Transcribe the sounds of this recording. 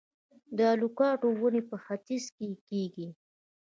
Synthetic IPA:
d̪əalukɑʈowunepəxat̪izkekeɡi

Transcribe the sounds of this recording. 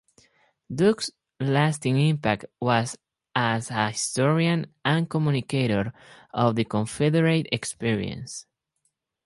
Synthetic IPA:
d̪uks | læst̪ĩŋĩmpak̚t̚wɔs | asahist̪ɔɹiãnãnkomjunikeɾoɹɔvðɨkɔ̃ɱfɛðəɹetekspiɹḭə̰̃ns

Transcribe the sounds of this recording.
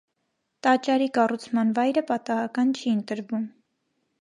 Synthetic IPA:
t̪ɑt͡ʃɑɾikɑrut͡sʰmɑnvɑjɾəpɑt̪ɑɦɑkɑnt͡ʃʰiənt̪əɾvum

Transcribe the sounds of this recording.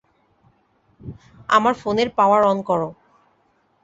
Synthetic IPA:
a̰maɾfoneɾpaoaɾɔnkɔɹo

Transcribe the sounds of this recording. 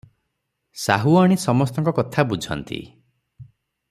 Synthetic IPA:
sa̰ɦuaɽ̃isɔmɔst̪ɔŋkɔkɔt̪ʰabud͡ʒʱɔ̰nt̪ḭ

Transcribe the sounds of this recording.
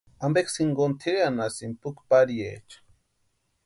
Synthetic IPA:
ambeksiŋɡont̪ʰiɾanasimpukpaɾiḛt͡ʃḁ

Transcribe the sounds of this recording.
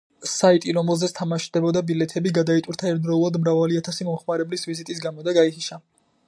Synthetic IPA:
sait̪ʼiɾɔmɛlˠzɛt̪sʰt̪ʰamaʃd̪ɛbɔd̪abilɛt̪ʰɛbiɡad̪ait̪ʼwiɾt̪ʰaɛɾd̪ɾɔulˠad̪mɾavaliat̪ʰasimɔmχmaɾɛblisvizit̪ʼis̬ɡamɔd̪aɡaihiʃa

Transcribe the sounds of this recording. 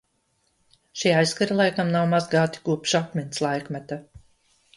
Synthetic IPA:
ʃijajskaɾalˠajkamnawmazɡaːt̪i̥kuɔpʃakmʲinʲslˠajkmʲɛt̪a

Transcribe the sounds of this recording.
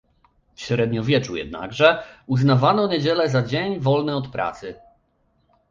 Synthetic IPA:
fɕɾɛd̪ɲɔvʲjɛt͡ʂujɛ̰d̪̚na̰ɡʐɛuznavanɔɲed͡ʑɛlɛzad͡ʑeɲvɔlnɘɔt̪pɾʔa̰t̪sɘ

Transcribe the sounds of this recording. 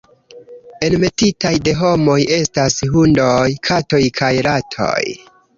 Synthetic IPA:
e̞nme̞titajde̞ɦo̞mo̞je̞stasɦundojkʰato̞jkʰajɾatʰo̞̰j

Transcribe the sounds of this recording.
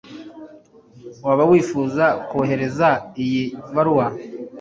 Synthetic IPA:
waβawiːfuːzakuoɦe̞ɾe̞zaijivaɾuwa

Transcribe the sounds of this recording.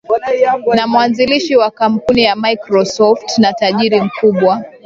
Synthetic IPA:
namuwanziliʃiwakampunijamaikɾɔsɔftnataʄiɾim̩kuɓwa

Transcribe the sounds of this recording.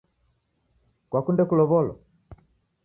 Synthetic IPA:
kwakundɛkulɔβɔlɔ̰

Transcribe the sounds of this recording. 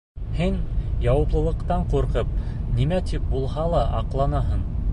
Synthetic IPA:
hinjɑwɤ̆plˠɤ̆lˠɤ̆qt̪ɑɴquɾqɤp̚ | nimæt̪ip̚bulˠhɑlˠɑʔɑqlˠɑnɑɦɤɴ

